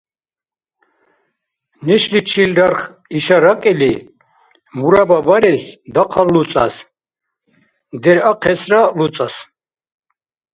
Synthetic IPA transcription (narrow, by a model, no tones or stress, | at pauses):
nɛʃlit͡ʃʰilɾaɾχ | iʃaɾakʼili | muɾababaɾɛsd̪aqʰalːut͡sʼa̰s | d̪ɛɾaqʰɛsɾalut͡s̪ʼas